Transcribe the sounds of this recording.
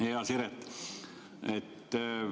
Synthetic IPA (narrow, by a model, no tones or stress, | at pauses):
heɑsiɾet̪ | et̪ː